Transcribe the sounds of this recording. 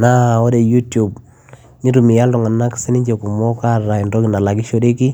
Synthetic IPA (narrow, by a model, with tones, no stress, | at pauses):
na˦˨ɔ˦de˨ju˦tju˨b | ni˦tu˨mi˨ja˦ltɔ˨ŋa˨na˦ksi˦ni˦ɲd͡ʒe˨ku˨mɔ˦ka˦ɾa˨i˨ndɔ˦ki˨na˨la˨ki˦ʃo˦de˦ki˦